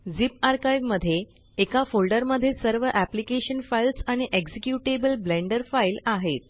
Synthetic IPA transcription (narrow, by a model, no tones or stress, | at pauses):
d͡zipaɾkajʋməd̪ʱːje | ekafolɖəɾməd̪ʱːjesəɾʋəʔæplikeɕənfailsaɽ̃iʔeksekjuʈebəlblẽɳɖəɾfailaɦet̪̚